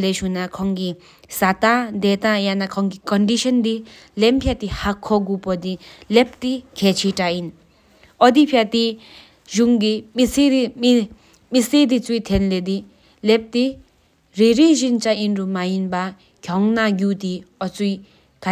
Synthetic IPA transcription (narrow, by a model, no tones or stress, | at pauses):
lesunakʰɔŋɡi | sat̪ad̪et̪ãjanakʰɔŋɡikɔnɖiʃɔnd̪i | lempʰjat̪ihakʰːɔɡupɔd̪ilep̚t̪ikʰet͡ʃʰiʈain | ɔd̪ipʰjat̪i | ʒuŋɡimisi | mised̪it͡sujt̪ʰenled̪i | lep̚t̪i | ɾiɾizint͡ʃainɾumajinba | ɡ̥jɔŋnaɡud̪iɔt͡suj | ka